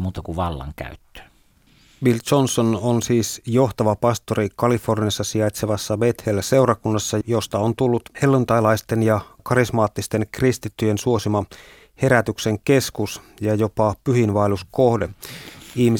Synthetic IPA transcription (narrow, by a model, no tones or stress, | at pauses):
muːt̪ɑkuʋɑlːɑ̰ŋkæ̰yt̪ːø̥ː | ʋilt͡ʃonsononsiːsjo̞ht̪ɑʋɑpɑst̪o̞ɾikɑlifo̞rniɑsːɑsiɑjt̪seʋɑsːɑʋe̞t̪helːæse̞wɾɑkunːɑsːɑjost̪ɑont̪ulːut̪he̞lːunt̪ɑjlɑjst̪e̞njɑkɑɾismɑːt̪ːist̪e̞nkrist̪it̪ːyjensuo̞simɑ | he̞ɾæt̪ykse̞ŋke̞skus | jɑjo̞pɑpyɦinʋɑelusko̞hde̞ihmi